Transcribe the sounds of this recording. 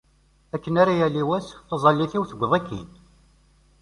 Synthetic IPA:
ækːənaɾajælːiwæsθɑzˤɑlːiθiwθəɡʷðˤækːḭn

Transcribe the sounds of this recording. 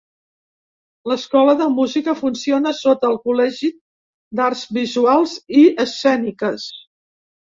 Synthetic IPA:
ləskɔləðəmuzikəfunsionəsot̪əːlˠkulɛʒi | d̪arzβizualˠziəsːɛnikəs

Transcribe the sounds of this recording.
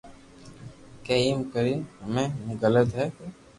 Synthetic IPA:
keːimkəɾiːɦəmẽɡələt̪ɦɛː

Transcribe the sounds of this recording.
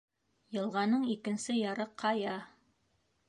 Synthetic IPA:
jɤ̆lˠʁɑnɤɴikɘ̆nsɘjɑɾɤqʰːɑjɑ

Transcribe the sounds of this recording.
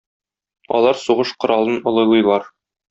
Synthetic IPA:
ɒ̰lˠɑɾsuʁɤʃqŏɾɑlˠɤnŏlˠɤ̆lˠɤ̆jlˠɑɾ

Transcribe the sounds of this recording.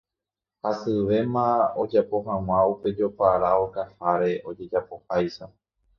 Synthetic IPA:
hasɨʋe̞mão̞d͡ʒapo̞ɦãw̃ãupe̞d͡ʒo̞paɾao̞kahaɾe̞ʔo̞d͡ʒe̞d͡ʒapo̞hajʃa

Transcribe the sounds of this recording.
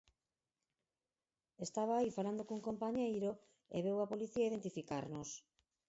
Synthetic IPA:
est̪aβ̞aːifaland̪okuŋkompaɲejɾo | ḛβ̞ewapoliθiaiðent̪ifika̰ɾnos

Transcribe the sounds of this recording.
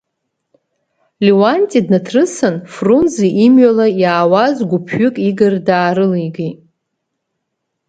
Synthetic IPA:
liwantʼidnatʰrɨsɨnfrunziʔimɥalajaːwazɡʷʊpʰɥʊkʼiɡɨrdaːɾɨliɡi

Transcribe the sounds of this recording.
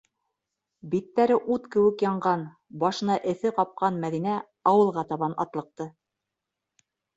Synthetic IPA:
bit̪ːæɾɘʔut̪kɘ̆wɘ̆kjɑɴɢɑn | bɑʃɤ̆nɑʔɘ̆θɘqɑp̚qɑnmæðinæ | ɑwɤ̆lˠʁɑt̪ɑβɑnɑ̰t̪lˠɤ̆q̚t̪ɤ

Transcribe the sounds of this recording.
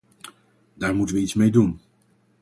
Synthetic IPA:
daːɹmutənʋəitsmejdun

